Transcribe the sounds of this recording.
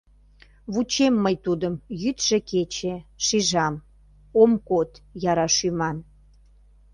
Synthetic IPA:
βut͡ɕemːəjt̪ud̪əmjyt̪ʒ̥ĕket͡ɕeʃiʒɑm | omkot̪jɑɾɑʃymɑn

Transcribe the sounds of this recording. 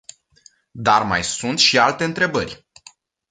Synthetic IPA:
d̪arma̰jsunt̪ʃialt̪e̞ɨnt̪ɾe̞bərʲ

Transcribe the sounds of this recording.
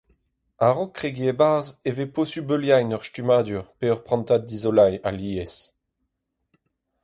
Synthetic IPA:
aʁɔkːχeɡiebaʁzeveposybøljajnœʁʃtymaːd̪yʁpeœʁpχɑ̃nt̪ad̪̚dizolaja̰liːɛs

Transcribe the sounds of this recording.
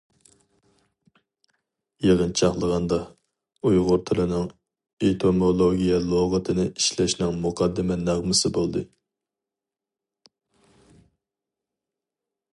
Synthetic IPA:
jeʁənt͡ʃʰɑχlˠəʁɑnd̪ɑ | ujʁʊɾt̪ʰɪlɨnɨŋ | et̪ʰomolˠoɡʲijɛlˠoʁət̪ʰɨnɪiʃlɛʃnɪŋmuqʰɑd̪ːɪmɛnɑʁmɨsɨbolˠd̪ɨ

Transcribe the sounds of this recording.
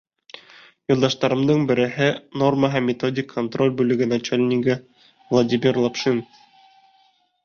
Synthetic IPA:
jŭlˠd̪ɑʃt̪ɑɾɤ̆md̪ɤɴbɘ̆ɾɘ̆ɦɘno̞rməɦæmʲːɪt̪odʲɪkʰːont̪ro̞lʲbʉlɘ̆ɡɘnɐt͡ʃelʲnʲiɡɘ | vlˠɐdʲimʲirlˠopʃin

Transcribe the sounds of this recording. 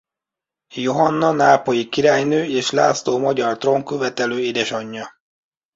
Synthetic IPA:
jo̞ɦɒnːɒnaːpo̞jikiɾaːjnøːeːʃla̰ːt̪st̪oːmɒɟɒrt̪ro̞ŋkøvɛt̪ɛløːid̪ɛʃɒɲːɒ

